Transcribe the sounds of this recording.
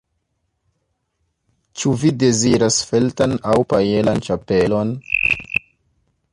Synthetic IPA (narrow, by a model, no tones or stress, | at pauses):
t͡ʃuvide̞ziɾasfe̞ltanawpajelant͡ʃape̞lo̞n